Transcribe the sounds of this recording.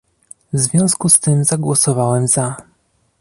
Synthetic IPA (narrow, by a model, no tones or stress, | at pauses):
vzvʲjɔ̃w̃skust̪ɘmzaɡwɔsɔvawɛmz̥a